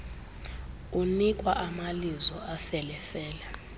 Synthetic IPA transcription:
unikʼwaʔamalizɔafɛlɛfɛːlɛ

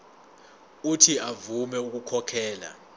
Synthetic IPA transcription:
utʰiavumɛuk̬ukʰɔkʰɛːla̰

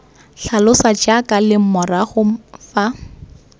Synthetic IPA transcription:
ɬalʊsat͡ʃakʼalɪmɔraχʊfa

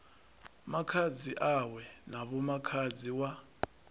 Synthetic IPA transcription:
makʰad͡ziʔawɛnaβɔmakʰad͡ziwa

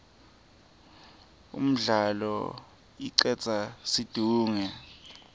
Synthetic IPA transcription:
ṵm̩ɮalɔ̰ | iǀɛt͡sʼasid̥ʱuːŋɛ

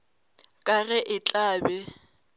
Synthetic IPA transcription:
kʼaɣɛʔɪt͡ɬʼaːbɛ

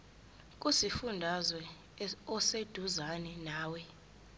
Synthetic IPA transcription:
k̬ʼusifundʱazwɛ | ɔsed̥ʱuzanɛnaːwɛ

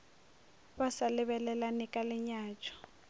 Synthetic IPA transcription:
βasalɪβɛlɛlanɪkʼalɪɲaːt͡ʃʰʼɔ̥

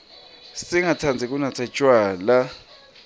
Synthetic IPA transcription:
siŋatʰand͡zʱik̬ʼunat͡sʰḁt͡ʃʼwaːla

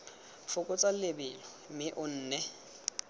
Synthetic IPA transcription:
fʰʊkʼʊt͡sʼallɪbɪlɔmɪʔʊn̩ːnɛ

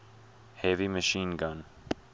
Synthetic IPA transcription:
hɛviməʃinɡɑn

